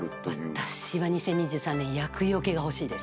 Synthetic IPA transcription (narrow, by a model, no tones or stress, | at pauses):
βatt̪aɕiβaɲ̟isẽ̞ɲ̟ːiʑɨːsãnːẽ̞ɰ̃jakɯio̞ke̞ɡaho̞ɕiːd̪e̞sɨ̥